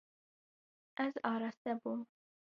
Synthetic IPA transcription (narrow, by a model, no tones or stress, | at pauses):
æzɑːɾɑsd̪abu